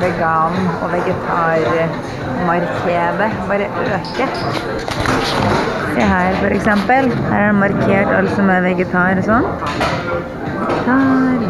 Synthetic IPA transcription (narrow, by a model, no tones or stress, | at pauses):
ʋɛɡɑːnɔʋɛɡɛt̪ʰɑːɾ | mɑɾkʰeːd̪əbɑːɾəʔøːkə | d̪ɛɦæːɾfɔɾɛksɛmpəlhæ̰ːɾæɖɛmɑɾkʰeːʈɑ̰lt̪sɔmɛʋɛɡət̪ʰɑːɾɔsɔn | ɛɡt̪ʰɑːɾ